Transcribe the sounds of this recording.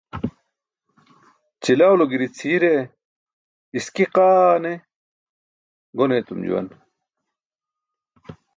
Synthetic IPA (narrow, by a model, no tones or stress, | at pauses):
t͡ɕilawloɡiɾit͡sʰiːɾe | iskiqaːne | ɡonet̪umd͡ʑṵwɐ̰n